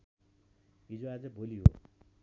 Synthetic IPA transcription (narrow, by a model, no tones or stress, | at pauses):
id͡zoad͡zʌbʱoliɦo̰